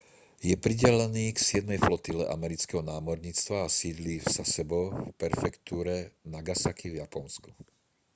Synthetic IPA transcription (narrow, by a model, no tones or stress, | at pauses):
jɛpɾiɟɛlɛniːksɪɛd̪nɛjflɔt̪ilɛ̰ʔa̰mɛɾit͡skɛɦɔnaːmɔɾɲiːt͡st̪ʋaːsiːd̪lifz̥asɛbɔfpɛɾfɛkt̪uːɾɛnaɡasakivjapɔnsku̥